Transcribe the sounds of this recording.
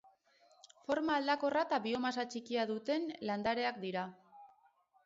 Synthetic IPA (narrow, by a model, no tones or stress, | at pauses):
fo̞ɾmaːld̪ako̞rat̪aβio̞mas̬at͡ʃikiaðut̪e̞nland̪aɾe̞akd̪iɾa